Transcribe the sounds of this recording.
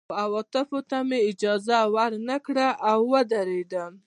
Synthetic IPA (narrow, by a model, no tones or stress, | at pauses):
awɑt̪ɪfot̪ameɪd͡ʒɑzawaɾnakɽaʔawːəd̪aɾed̪a